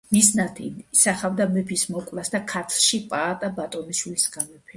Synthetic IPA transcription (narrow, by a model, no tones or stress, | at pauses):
nisnat̪ʰḭsaχavd̪amɛpʰismɔkʼvlasd̪akʰat̪ʰʃipʼaːt̪ʼabat̪ʼɔniʃwilisɡamɔpʰɛ